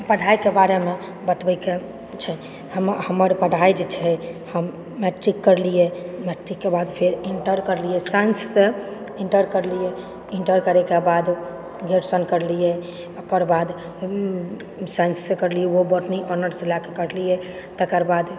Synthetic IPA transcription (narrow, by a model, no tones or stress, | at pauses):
pəɽ̤ʱajkebaɾeme | bət̪bəke | t͡ʃʰɛ | həmhəməɾpəɽ̤ʱajd͡ʒet͡ʃʰɛhəmː | eʈɾikːəɾlijɛmeʈɾikːebad̪pʰeɾiɳʈəɾkəɾlijɛsansːe | iɳʈəɾkəɾlijɛ | iɳʈəɾkəɾɛkebad̪ | ɡʱeɾsənkəɾlijɛ | okəɾbad̪ | sainsːekəɾlijɛoboʈniʔɔnəɾselakekəɾlijɛ | t̪əkəɾbad̪